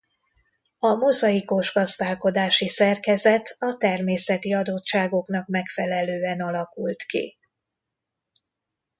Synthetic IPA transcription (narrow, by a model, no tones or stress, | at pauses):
ɒmozɒiko̞ʒɡɒzd̪aːlko̞d̪aːʃisɛrkɛzɛt̪ɒt̪ɛrmeːsɛt̪iɒd̪oːtt͡ʃaːɡo̞kn̪ɒkmɛkfɛlɛløːɛnɒlɒkult̪kḭ